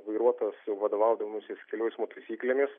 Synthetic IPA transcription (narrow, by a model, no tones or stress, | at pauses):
ʋɐɪɾuɔt̪oːsjɛʊʋɐd̪oːʋɐˑʊd̪ɐmosʲɪskʲɛlʲoːjsʲmot̪ɐɪsʲiːklʲemʲɪs